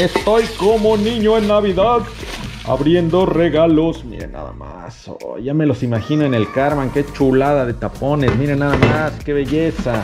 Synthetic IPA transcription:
e̞st̪o̞jko̞moniɲo̞enːaβiðaða̰βɾje̞nd̪o̞re̞ɣalo̞smḭɾḛna̰ða̰ma̰ | so̰jʝame̞lo̞simaxino̞ene̞lkaɾmaŋke̞t͡ʃulaðaðe̞t̪apo̞ne̞smiɾenaðamaske̞βe̞ʝesa

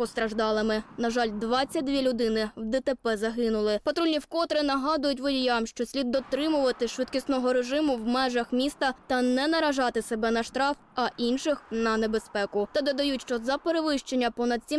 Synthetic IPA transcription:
pɔst̪ɾɐʒd̪ɑlˠɪmɪnɐʒɑlʲd̪ʋɑt͡sʲːɐt̚ʲd̪ʋʲilʲʊd̪ɪnɪwd̪ɛt̪epɛzɐɦɪnʊlˠɪpɐt̪ɾulʲnʲiwkɔt̪ɾɪnɐɦɑd̪ʊjʊtʲʋɔdʲijamʃt͡ʃɔsʲlʲid̪̚ːɔt̪ɾɪmʊʋɐt̪ɪʃʋɪd̪̚kʲisnɔɦɔɾeʒɪmʊwmɛʒɐxmʲist̪ɐt̪ɐnɛnɐɾɐʒɑt̪ɪsebɛnɐʃt̪ɾɑf | ɐʔinʃɪxnɐnebe̞spɛkʊt̪ɐd̪ɔd̪ɐjutʲʃt͡ʃɔzɐpeɾeʋɪʃt͡ʃenʲːɐpɔnɐd̪̚sʲi

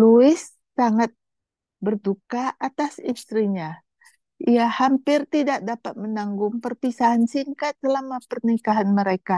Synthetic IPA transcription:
luɪsː | aŋat̪̚ | bərdukaat̪asist̪ɾiɲa | ijahampɪrt̪idak̚dapat̪̚mənaŋɡʊŋpərpisaɦansiŋkat̪səlamapərnikaɦanməɾeka

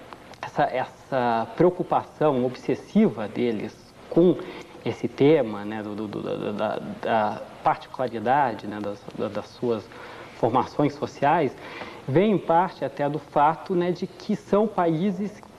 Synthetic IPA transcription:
ɛsɐʔɛsɐpɾeokupasɐ̃w̃obsesivɐd̪elɪ̰s | kõ | esɪt̪ẽmɐnɛd̪ʊd̪ʊd̪ʊ̰d̪ɐ̰d̪ɐ̰d̪ɐ̰d̪ɐpaɾt͡ʃi̥kulaɾid̪ad͡ʒɪnɛd̪ɐsd̪ɐd̪ɐsuɐs | foɾmasõj̃sːosiajsvẽj̃ẽpaɾt͡ʃɪat̪ɛd̪ʊfat̪ʊnɛd͡ʒɪkʰɪsɐ̃w̃paizɪs

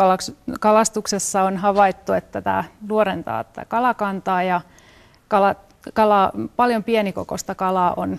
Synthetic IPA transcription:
kɑlɑkskɑlɑst̪uksesːɑonɦɑʋɑit̪ːuet̪ːæt̪æ̰ːnuoɾent̪ɑ̰ːt̪æ̰kɑlɑkɑnt̪ɑːjɑ | kɑlɑ | kɑlɑpɑljompieniko̰kost̪ɑkɑlɑːʔon

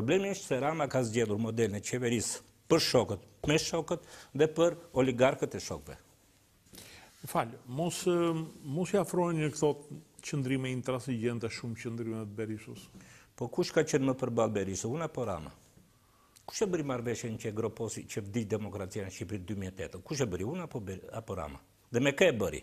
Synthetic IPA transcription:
pɾɔblɛmiiʃt̪sɛɾamakazɟɛlˠuɾmɔd̪ɛlənɛt͡ʃɛvɛɾis | pəɾʃɔkət̪̚ | mɛʃɔkət̪ðɛpəɾɔliɡaɾkət̪ɛʃɔ̰kvɛ̰ | falmɔs | mɔsiafɾɔjnɲəkθɔt͡ʃənd̪ɾimɛint̪ɛɾasiɟɛnt̪ɛʃumt͡ʃənd̪ɾimɛt̪bɛɾisṵspɔkuʃkat͡ʃənməpəɾbalˠbɛɾisuunapɔɾa̰ma̰ | ku̥ʃɛbəɾimaɾvɛʃjɛnt͡ʃɛɡɾɔpɔsicəvd̪id̪ɛmɔkɾat͡sianʃipɾit̪̚d̪ymiɛt̪ɛt̪əkuʃ̬ɛbəɾiunapɔbɛapɔɾa̰ma̰ | ðɛmɛkəɛbəɾḭ

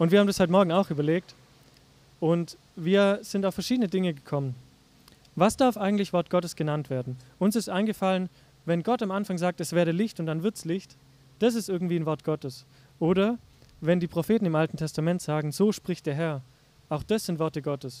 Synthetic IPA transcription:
ʔʊntv̥iɐaːm̩ndashɔʏtəmɔɐɡŋ̩aʊxʔyːbɐleːk̚t | ʔʊnt | viːɐz̥ɪntaʊfːɛɐʃiːdənədɪŋəɡəkʰɔmən | vasd̥aɐfaɪɡŋ̩tlɪçv̥ɔɐt̚ɡ̥ɔtəsɡ̥ənantv̥eːɐdn̩ʔʊnsɪstʔaɪnɡəfalən | vɛnɡɔtamʔanfaŋzaːk̚tɛsv̥ɛːɐdəlɪçtʊntd̥anvɪɐtslɪçt | d̥as̬ɪstʔɪɐɡŋ̩tv̥iːanvɔɐt̚ɡ̥ɔtəs | ʔoːɾɐ | vɛndiːpʁ̥ofeːtn̩ɪmʔaltn̩tʰɛstamɛntz̥aːɡŋ̩zoːʃpʁ̥ɪçtd̥eːɐɦɛɐ | ʔaʊxd̥asz̥ɪntvɔɐtəɡɔtəs

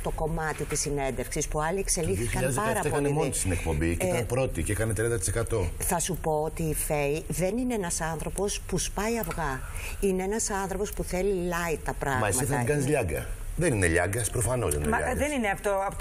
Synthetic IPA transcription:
t̪o̞ko̞mɐt̪it̪isine̞nd̪efksispuɐlie̞kse̞lixiçkikɐʎɐzpɐɾɐp̪eokɐnemont̪i̥st̪inekpo̞mbicit̪ɐpɾo̞t̪iceekɐnet̪ɾiɐnd̪ɐt̪isekɐt̪o̞θɐsupo̞ot̪iːfeiðe̞nine̞enɐsɐnθɾo̞po̞spuspɐjɐvɣɐineenɐsɐnθɾo̞po̞spuθe̞lilɐjt̪ɐpɾɐɣmɐsmɐiθɐɡɐnizʎɐɡɐ̰ðenineʎɐ̰ɡɐspɾofɐno̞sinḛɐɐ̰ðenineɐpt̪oɐp

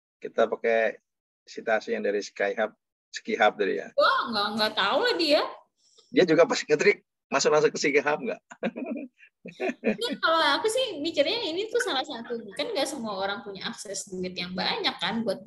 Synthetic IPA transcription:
kit̪apakɛ | sit̪uasijaŋdaɾisə̥kajɦap̚ | sə̥kiɦap̚dadḭja̰waŋɡaʔŋɡaʔt̪audia | diad͡ʒuɡapasŋət̪ɾɪk̚ | masʊk̚mas̬ʊkːəsikəɦap̚ŋɡa̰ʔ | nakaloakusɪhmit͡ʃərɲainit̪ʊsalahsat̪ukanŋɡaʔsəmuaoɾaŋpuɲaaksɛsduɪt̪jaŋba̰ɲakːanbuat̪̚

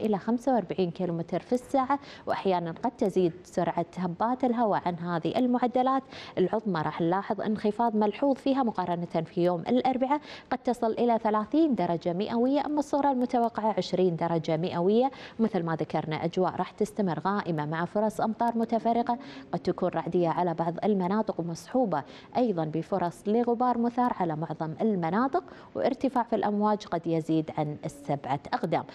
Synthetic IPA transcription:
ʔɪlaxamsawʔɑɾˤbaʕiːnkiːlumɪt̪ɾfisːaːʕa | wʔaħjaːnanqɑd̪̚t̪ɪziːd̪sʊɾˤʕahabːaːt̪ɪlɦawaʕanɦaːðiʔɪlmʊʕad̪ːalaːt̪ʔɪlʕʊðˤmɑɾˤɑːħnlɑːħɨðˤʔɪ̰nxɪfɑːðˤmalħuːðˤfiːɦamʊqɑːɾˤɑnat̪anfijoːmʔɪ̰lʔɑɾˤbɪʕaqɑd̪̚t̪ɑsˤɨlʔɪlaθalaːθiːnd̪ɑɾˤɑd͡ʒamɪʔawɪjːaʔamːɑsˤːʊɣɾˤɑlmʊt̪awɑqːɪʕaʕɪʃɾiːnd̪ɑɾˤɑd͡ʒamɪʔawɪjːamɪθlmaðakɑɾˤna̰ʔad͡ʒwa̰ːʔɾˤɑːħt̪ɪst̪amɪrːɣaːʔɪmamaʕafʊɾˤɑsˤʔɑmt̪ˤɑːɾˤmʊt̪afɑrˤːɪqɑqɑd̪̚t̪akuːnɾˤɑʕd̪ɪjːaʕalabɑʕðˤɪlmanɑːt̪ˤɨqwmɑsˤħuːbɑ | ʔɑjðˤɑnbɪfʊɾˤɑsˤlɪɣʊbɑːɾˤmʊθɑːɾˤʕalamʊʕðˤɑmɪlmanɑːt̪ˤɨq̚wʔɪ̰ɾt̪ɪfaːʕfilʔamwaːd͡ʒqɑd̪jaziːd̪ʕanɪsːabʕaʔaɣd̪a̰ːm

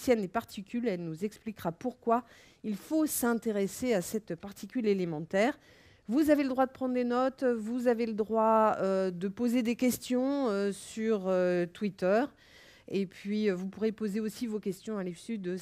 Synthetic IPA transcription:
sjɛnepaʁt̪ʰikʲylɛlnuzɛksplikʁapuʁkwa | ilfosɛ̃t̪eʁeseasɛt̪paʁt̪ʰikʲylelemɑ̃t̪ɛːʁ | vuzaveləd̪ʁwad̪əpχɑ̃d̪ʁd̪enɔt̪vuzaveləd̪ʁwaød̪əpozed̪ekʲɛst̪jɔ̃øsyʁøt̪wit̪œʁ | epɥiøvupuʁepozeosivokʲɛst̪jɔ̃alifsyd̪ə

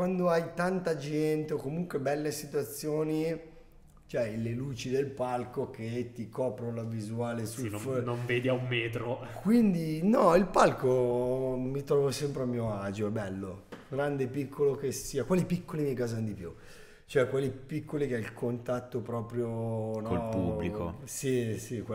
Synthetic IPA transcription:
kwand̪oajt̪ant̪ad͡ʒɛnt̪eokomuŋkwebɛlːesit̪wat̪sːjoːni | t͡ʃoɛjleluːt͡ʃid̪elpalkok̟et̪ːikɔːpɾolavizuaːlesufnoɱveːd̪iaumːɛːt̪ɾokwind̪inɔilpalko | mit̪ɾɔːvosɛmpɾeamːiːoad͡ʒoɛbːɛlːoɡɾand̪epikʰːolokesiːakwalipikːolimikaːzanod̪ipjṵ | t͡ʃoɛkwalipikʰːolikeɛilkʰont̪at̪ːopɾɔːpɾjonolpubːliko̰sisikw

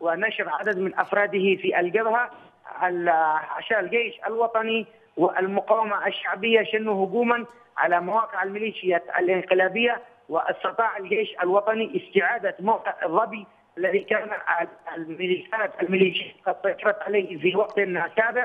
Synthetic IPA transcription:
wɪnaʃfʕad̪ad̪mɪnʔɑfɾˤɑːd̪ɪhifiʔalɡabha | aʕa̰ʃaːlɡeːʃa̰lwɑt̪ˤɑni | wɪʔa̰lmʊqɑwːamaʔaʃːaʕbɪjːaʃanuhʊɡuːman | ʕa̰lamawaːqɪʕalmɪliːʃɪjata̰lʔɪnqɪlaːbɪjːa | wɪʔɑsˤt̪ɨt̪ˤɑːʕalɡeːʃalwɑt̪ˤɑniʔɪst̪ɪʕaːd̪amawq̪ɪʕɑrˤːɑbi | ʔalːaðikaːnaaalmɪliʃaːnat̪almɪliːʃɪjat̪qɑd̪sɑt̪ɑɾˤɑt̪ʕaleːhfiwɑɡt̪nsaːbɪʕ

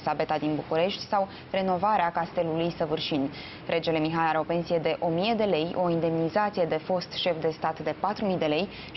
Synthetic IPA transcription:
sabe̞t̪ad̪inbukuɾe̞ʃt̪ʲsaw | re̞no̞vaɾeakast̪e̞lulujsəvɨrʃin | rʔe̞d͡ʒe̞le̞miɦalaɾeo̞pe̞nsije̞d̪e̞ʔo̞mije̞d̪e̞le̞jo̞ind̪e̞mnizat̪sije̞d̪e̞fo̞st̪ʃe̞fd̪e̞st̪at̪d̪e̞pat̪ɾumijd̪e̞le̞j

